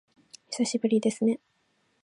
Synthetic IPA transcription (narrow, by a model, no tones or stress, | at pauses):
çi̥saɕibɯ̟ɾʲid̪e̞sɨne̞